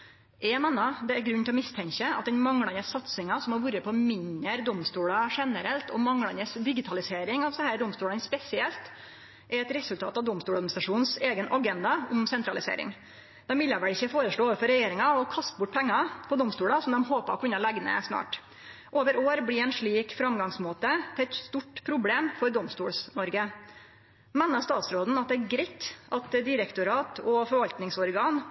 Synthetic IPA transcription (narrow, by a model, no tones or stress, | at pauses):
ʔɛmɛnːɑd̪ɛæɾɡɾʉnːt̪ɪlɔmɪst̪ʰɛŋkəɑt̪̚d̪ɛnmɑŋɽɑnəsɑt̪sɪŋɑsɔmhɑɾʋʉːɾəpʰɔmɪnəɾd̪ɔmst̪uːɽɑʂɛnəɾɛlt̪ʰɔmɑŋɽɑnəsd̪ɪɡɪt̪ʰɑlɪseːɾɪŋɑʋsɔhæːɾd̪ɔmst̪uːɭənspɛsɪɛlt̪ | ʔɛɾɛt̪ɾɛsʉlt̪ɑ̰ːt̪ɑʋd̪ɔmst̪uːɽɑd̪mnɪst̪ɾɑʂuːnseːɡənʔɑɡɛnd̪ɑʊmsɛnt̪ɾɑlɪsḛːɾɪ̰ŋ | d̪̥ɛmʋɪlːəʋæɭɪçːəfoːɾəʂɭoːoʋəɾfɔɾɛjeːɾɪŋɑɔkʰɑst̪̚bʊʈ̚ːpʰɛŋːɑpʰɔd̪ɔmst̪uːɽɑsɔmd̪ɛmhoːpəɔkʰʉnːəlæɡnə̰snɑ̰ːʈ | ʔoːʋəɾoːɾbɽɪɛnʂɭiːkfɾɑmɡɑŋsmoːt̪ət̪ʰɛt̪st̪uʈpʰɾʊbleːmfɔɾd̪ɔmst̪uːɽsnɔɾɡə | meːnːəst̪ɑːt̪sɾoːd̪n̩ɑt̪̚d̪ɛːɡɾɛɪt̪ʔɑt̪d̪ɪɾəkt̪ʊɾɑːt̪ʰɔfɔɾʋɑlt̪nɪŋsɔɾɡɑːn